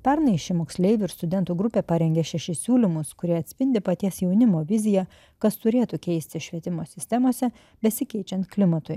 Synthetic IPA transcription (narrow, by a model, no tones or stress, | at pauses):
pʲɛɾnɐɪʃʲɪmoːksʲlʲɛɪʋʲɪɪɾst̪ʊd̪ʲɛnt̪uːɡɾʊpʲeːpɐɾʲɛŋʲɡʲɛʃʲɛʃʲɪsʲuːlʲɪmʊskʊɾʲiɛɐt̪ʲsʲpʲɪnʲd̪ʲɪpɐt̪ʲiɛsjɛʊnʲɪmoːʋʲɪzʲɪjɛ | kɐst̪ʊɾʲeːt̪ʊkʲɛɪsʲt̪ʲɪʃʲʋʲiɛt̪ʲɪmoːsʲɪsʲt̪ʲɛmoːsʲɛ | bʲɛsʲɪkʲɛɪt͡ʃʲɛnt̪klʲɪmɐt̪ʊɪ